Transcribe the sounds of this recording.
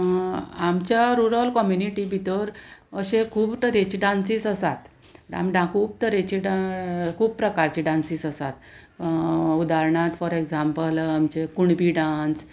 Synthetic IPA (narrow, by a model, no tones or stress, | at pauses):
amt͡ɕjaɾuɾalkɔmjuniʈibʱit̪əɾəɕekʰuːbt̪əɾet͡ɕiɖãnsisəsat̪ | ɖa̰mɖãkʰuːbt̪əɾet͡ɕiɖakʰuːpːɾəkaɾt͡ɕiɖãnsisəsat̪ | ud̪aɾɳat̪fɔɾekd͡zampəlamt͡ɕekuɳbiɖãns